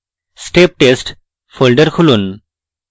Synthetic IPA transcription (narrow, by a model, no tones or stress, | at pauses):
sʈeːp̚ʈesʈ | fʰolɖəɾkʰulun